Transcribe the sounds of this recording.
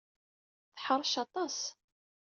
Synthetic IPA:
θħəɾˤʃɑt̪ˤɑs

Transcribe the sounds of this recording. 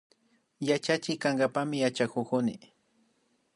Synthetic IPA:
jat͡ʃat͡ʃɪkaŋɡapamɪjat͡ʃakʊkʊnɪ̰

